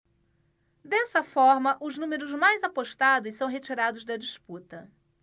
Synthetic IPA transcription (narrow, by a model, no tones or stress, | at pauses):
d̪ɛsɐfɔɾmɐʔʊznũmeɾʊzmajzapoʃt̪ad̪ʊsɐ̃w̃ɦet͡ʃiɾad̪ʊzd̪ɐd͡ʒisput̪ɐ